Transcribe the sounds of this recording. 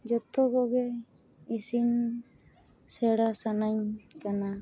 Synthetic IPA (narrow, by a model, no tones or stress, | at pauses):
d͡ʒɔt̪ɔɡɔɡɛ | isin | sɛɽasanaɲkana